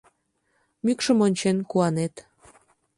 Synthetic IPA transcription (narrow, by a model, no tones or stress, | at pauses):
mykʃəmonʲt͡ɕenkuɑnet̪